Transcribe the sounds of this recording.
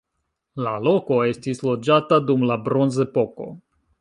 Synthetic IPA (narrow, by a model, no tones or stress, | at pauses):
lalo̞ko̞e̞stislo̞d͡ʒatadumlabɾo̞nze̞po̞ko̞̰